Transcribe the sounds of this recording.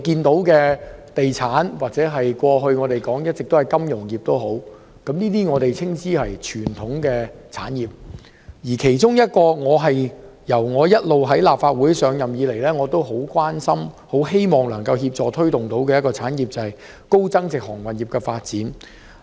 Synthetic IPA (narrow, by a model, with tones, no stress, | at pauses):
kiː˧nt̪o˨˥wkɛː˧t̪e˨jt͡sʰaː˨˥nwaː˨˩k̚t͡sɛː˨˥ɦɐ˨jkʷwɔː˧ɦɵ˧ɥŋɔː˨˧t̪e˨jkɔː˨˥ŋjɐ˥t̚t͡sɪ˨k̚t̪o˥hɐ˨jkɐ˥mjʊ˨˩ŋjiː˨˩p̚t̪o˥wɦo˨˥w | kɐ˨˥mniː˥t̪iː˥ŋɔː˨˧t̪e˨jt͡sʰɪ˥ŋsiː˥hɐ˨jt͡ʃʰyː˨˩nt̪ʰʊ˨˥ŋkɛː˧t͡sʰa̰ː˨˥njiː˨p̚ | jiː˨˩kʰe˨˩jt͡sʊ˥ŋjɐ˥t̚kɔː˧ŋɔː˨˧ɦɐ˨jjɐ˨˩wŋɔː˨˧jɐ˥t̚lo˨wɦɐ˨˥jlaː˨p̚faː˧t̚wuː˨˥jsœː˨˧ŋjɐ˨mjiː˨˧le˨˩jlɛː˥ŋɔː˨˧t̪o˥wɦo˨˥wkwaː˥nsɐ˥mho˨˥wɦe˥jmɔː˨˩ŋlɐ˨˩ŋkɐ˧wɦiː˧p̚t͡sɔː˨t̪ʰɵ˥ɥt̪ʊ˨ŋt̪o˨˥wkɛː˧jɐ˥t̚kɔː˧t͡sʰaː˨˥njiː˨p̚t͡sɐ˨hɐ˨j | ko˥wt͡sɐ˥ŋt͡sɪ˨k̚hɔː˨˩ŋwɐ˨njiː˨˩pkɛː˧faː˧t̚t͡siː˨˥n